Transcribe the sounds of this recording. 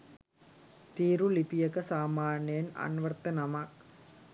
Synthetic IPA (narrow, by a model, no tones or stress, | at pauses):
t̪iːɾulipijɐkɐsaːmaːnjɐnɐ̰nʋɐrt̪ːɐnɐmɐk